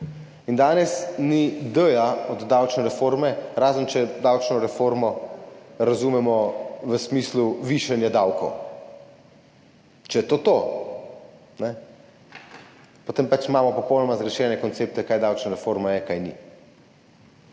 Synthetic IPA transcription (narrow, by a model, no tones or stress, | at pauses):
ind̪aːnɛsnid̪əjaɔd̪d̪awt͡ʃnɛɾɛfoɾmɛɾaːzənt͡ʃɛd̪awt͡ʃnɔɾɛfoɾmɔ | ɾazuːmɛmɔʋəsmisluʋiʃɛnjad̪awkɔw | t͡ʃɛjɛt̪oːt̪o | nɛ | pɔt̪eːmpat͡ʃimaːmɔpɔpɔwnɔmazɡɾɛʃɛːnɛkɔnt̪seːp̚t̪ɛkaːjd̪awt͡ʃnaɾɛfoɾmajɛkajnḭ